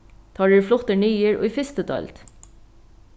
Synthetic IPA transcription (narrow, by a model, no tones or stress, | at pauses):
t̪ʰɑːɖʉːflʊt̪əɳyːəɹo̰ːiːfɪst̪ət̪ʰɑ̰lt̪